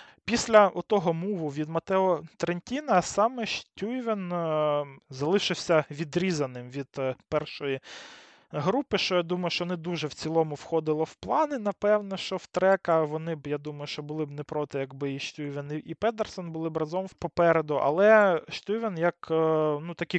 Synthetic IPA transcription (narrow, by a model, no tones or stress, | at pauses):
pʲisʲlʲɐʔɔt̪ɔɦɔmuʋʊʋʲid̪mɐt̪ɛɔt̪ɾenʲtʲinɐsɑmɛʃtʲujʋen | zɐlˠɪʃɪwsʲɐʋʲid̪ɾʲizɐnɪmʋʲid̪pɛrʃɔji | ɦɾupɪʃt͡ʃɔjad̪umɐjʊʃt͡ʃɔnɛd̪uʒɛwt͡sʲilˠɔmʊwxɔd̪ɪlˠɔwplˠɑnɪnɐpɛwnɔʃt͡ʃɔwt̪ɾɛkɐʋɔnɪbjad̪umɐjʊʃt͡ʃɔbʊlˠɪbnɛpɾɔt̪ɪjɐɡbɪiʃtʲujʋʲeniʔipɛd̪ersɔnbʊlˠɪbɾɐzɔmwpɔpɛɾed̪ʊʔɐ̰lˠɛʃtʲujʋʲenjɐknut̪ɐkʲɪ